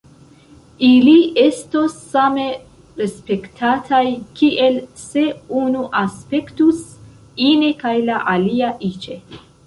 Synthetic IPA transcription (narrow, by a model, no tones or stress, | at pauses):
iliʔe̞stosːame̞ | ɾe̞spe̞ktʰatʰajkiʔe̞lse̞unuʔaspe̞ktus | inekajlaʔaliaʔit͡ʃe̞